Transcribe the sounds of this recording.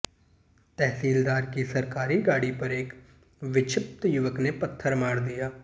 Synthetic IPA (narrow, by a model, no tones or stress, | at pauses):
t̪ɛɦsiːld̪aːɾkiːsəɾkaːɾiːɡaːɽiːpəɾek | ʋɪt͡ʃʰɪp̚t̪jʊʋəkneːpət̪ʰːəɾmaːɽd̪ijaː